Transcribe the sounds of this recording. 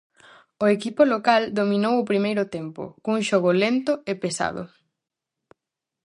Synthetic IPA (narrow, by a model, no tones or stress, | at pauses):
ʊekipolokald̪omĩnowʊpɾimejɾʊt̪empʊ̰kuŋʃoɣʊlent̪ʊepesa̰ðʊ̰